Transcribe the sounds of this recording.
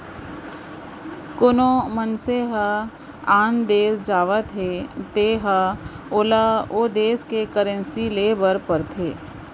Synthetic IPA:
kʊnomənseɦə | aːnd̪eːsd͡ʒaːʋət̪ɦet̪eːɦa | oːlaoːd̪eːskekəɾə̃nsileːbəɾpəɾt̪ʰeː

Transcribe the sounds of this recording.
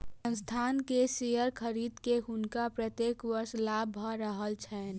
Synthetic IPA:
sə̃nst̪ʰaːnkesijəɾkʰəɾiːd̪keɦʊnkapɾət̪jeːkʋəɾslabʱaɾəɦəlt͡ʃʰɛn

